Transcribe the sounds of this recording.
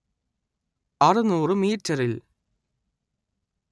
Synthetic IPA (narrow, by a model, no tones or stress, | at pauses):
ɐrɨnuːrɨmiːtːɐɾil